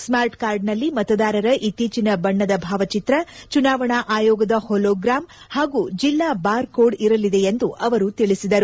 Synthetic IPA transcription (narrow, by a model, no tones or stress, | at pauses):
smaːɾʈkaːɾɖnɐlːimɐt̪ɐd̪aːɾɐɾɐʔit̪ːiːt͡ʃinɐbɐɳːɐd̪ɐbʱaːʋɐt͡ʃit̪ɾɐt͡ʃunaːʋɐɳaʔaːjɔːɡɐd̪ɐholoːɡɾaːm | haːɡuːd͡ʒilːaːbaːɾkoːɖiɾɐlid̪e̞end̪uʔɐʋɐɾut̪iɭisid̪ɐɾu